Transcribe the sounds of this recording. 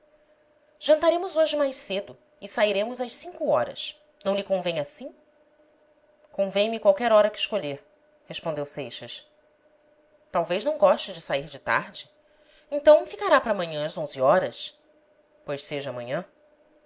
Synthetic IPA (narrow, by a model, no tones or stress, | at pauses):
ʒ̥ɐ̃nt̪aɾẽmʊzoʒɪmajʃsed̪ʊ | ɪsaiɾẽmʊzɐʃsĩŋkʊɔɾɐ̰s | nɐ̃w̃lɪkõvẽɲasĩ | kõvẽj̃mikwawkɛɾɔɾɐkɪʃkoʎeɾ | hespõnd̪ewsejʃɐs | t̪awvejznɐ̃w̃ɡɔʃt͡ʃɪd͡ʒɪsaiɾd͡ʒɪt̪a̰ɾd͡ʒɪ | ẽnt̪ɐ̃w̃fikaɾapɾɐːmɐ̃ɲɐ̃ɐzõzɪɔɾɐs | pojʃseʒɐːmɐ̃ɲɐ̃